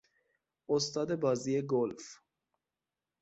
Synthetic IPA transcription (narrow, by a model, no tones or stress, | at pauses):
ost̪ɒːd̪ebɒːziːeɡolf